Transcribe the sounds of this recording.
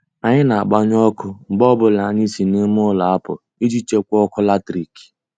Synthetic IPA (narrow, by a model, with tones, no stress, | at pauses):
a˨ɲɪ˦na˨a˨ɡ͡ba˦ɲ˦ɔ˦kʊ˦ŋ͡m̩˨ɡ͡bɔ˦bʊ˦la˨ɲɪ˦si˨ne˦m˦ʊ˦la˨a˦pʊ̰˨ | i˦d͡ʒi˦t͡ʃe˦kʷɔ˦kʊ˦la˦tɾi˨ki̥˨